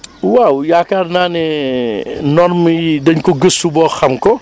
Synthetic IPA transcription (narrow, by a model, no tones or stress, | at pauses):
wawjaːkarnaːnɛ | nɔrmɐidɐɲkɔɡəsubɔːxɐmkɔ